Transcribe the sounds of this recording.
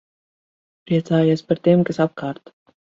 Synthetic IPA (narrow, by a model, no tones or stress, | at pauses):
pɾiɛt̪saːjoːspaɾt̪iɛmkasap̚kʰaːɾt̪